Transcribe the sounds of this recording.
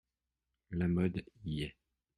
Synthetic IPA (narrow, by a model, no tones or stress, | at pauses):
lamɔd̪ijɛ